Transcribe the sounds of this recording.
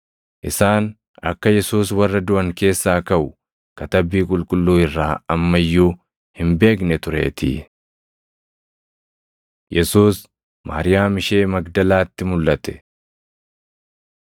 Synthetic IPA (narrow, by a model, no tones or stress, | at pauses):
ʔɪsaːn | ɐ̰kːɐjɛsuːswɐrːɐd̪ʊʔɐŋke̞ːsːaːkɐʔʊ | kɐt̪ɐbːiːkʼʊlkʼʊlːuːɪrːaːɐmːɐjːuː | hɪmbe̞ːk̬nɛt̪ʊɾe̞̰ːt̪ʰɪ̰ | jɛsuːs | ma̰ːɾɪjaːmɪʃe̞ːmɐɡd̪ɐlaːt̪ːɪmʊlːɐt̪ɛ̥